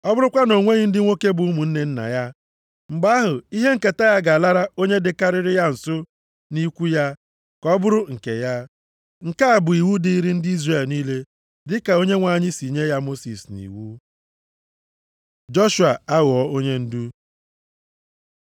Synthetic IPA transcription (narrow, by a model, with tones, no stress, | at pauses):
ɔ˦bʊ˦ɾʊ˦kʷa˦no˨ŋʷe˦ɣɪ˦n̩˦dɪ˦ŋʷo˦ke˦bʊ˨u˦mu˨n̩˦ne˨n̩˦na̰˨ja˦ | m̩˨ɡ͡ba˦ɦʊ˨i˦ɦe˦ŋ̩˨ke˨ta˦ja˦ɡa˨la˦ɾa˦o˦ɲe˦dɪ˨ka˦ɾɪ˦ɾɪ˦ja˦n̩˨sʊ˦ | ni˦kʷu˦ja˦ | kɔ˦bʊ˦ɾʊ˦ŋ̩˨ke˨ja˦ | ŋ̩˨ka˦a˨bʊ˨i˨wu˦di˦i˦ɾi˦n̩˦dɪ˦i˦zre˨lniː˦le˦ | dɪ˦ka˨o˦ɲe˦ŋʷa˨ɲɪ˦si˨ɲe˦ja˦mo˦sḭ˨snḭ˨wu˦ | d͡ʒɔ˦ʃu˨a˨a˦ɣʊ˨ɔ˦o˦ɲe˦n̩˦du˦